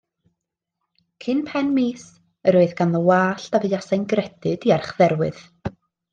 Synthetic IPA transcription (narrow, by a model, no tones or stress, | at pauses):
kʰɨnpʰɛnmiːs | əɾoːɨðɡ̥anðəwaːɬd̥avɨasajnɡrɛd̥ɨd̥iarχðɛrwɨ̰ð̥